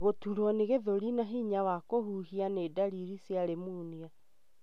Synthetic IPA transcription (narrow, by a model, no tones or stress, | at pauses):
ɣotuɾwɔneɣeðoɾinaɦiːɲawakoɦuːɦianeːdaɾiɾisjaɾemuːnia